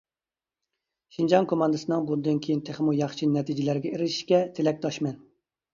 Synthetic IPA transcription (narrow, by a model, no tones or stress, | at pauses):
ʃind͡ʒɑŋkʰomɑnd̪ɨsɨnɨŋbund̪ɨnkʲʰejint̪ʰeχmujɑχʃinɛt̪ʰid͡ʒɪlæɾɡʲɛeɾɪʃi̥ʃkʲɛt̪ʰelɛk̚ʲd̪ʰɑʃmɛn